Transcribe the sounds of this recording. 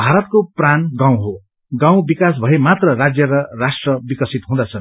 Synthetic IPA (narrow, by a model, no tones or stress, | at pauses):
bʱaɾʌt̪̚kopranɡaw̃ɦo | ɡãw̃bikas̬bʱʌemat̪rʌrad͡zjʌɾʌrasʈrʌbikʌsit̪ɦũd̪at͡sʰʌn